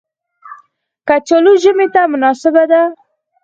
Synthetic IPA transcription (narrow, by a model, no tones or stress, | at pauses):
kat͡ʃoluʒəmet̪amʊnɑsɪbad̪a